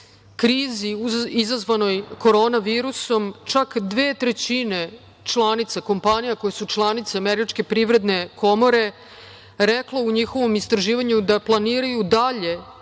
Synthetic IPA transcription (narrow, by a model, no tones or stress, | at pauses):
kɾiːziuizazʋano̞jko̞ɾo̞ːnaʋiːɾuso̞mt͡ʃakd̪ʋeːt̪ɾet͡ɕine | t͡ʃlˠanit̪sako̞mpaɲijakojesut͡ʃlˠanit̪seameɾit͡ʃke̞pɾiʋɾe̞d̪ne̞kʰo̞mo̞ɾe̞ | ɾɛklouɲixo̞ʋo̞mist̪ɾaʒiːʋaɲud̪aplˠaniːɾajud̪aʎe